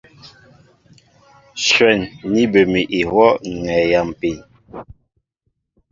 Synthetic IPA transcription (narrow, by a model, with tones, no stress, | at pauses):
ʃwɛ˨nːi˦bə˨mi˨ʔi˨hwɔ˦ʔŋɛ˨ja˨m˨pi˨n